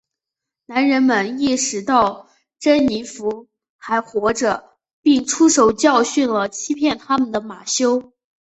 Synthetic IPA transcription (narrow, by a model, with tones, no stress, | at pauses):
na˧˥nɻə˧˥nmə˧˨ni˥˩ʂɻ̩˧˥t̪ɑ˥˩ʊ | ʈ͡ʂə˥nni˧˥fu˧˥ | xa˧˥ɪxwɔ˧˥ʈ͡ʂə˧ | pi˥˩ŋʈ͡ʂʰu˥ʂo˨˩ʊt͡ɕjɑ˥˧ʊɕy˥˩nlə˩t͡ɕʰi˥pʰjɛ˥˩nt̪ʰa˥mə˨nd̪ə˩ma˨˩ɕjo˥ʊ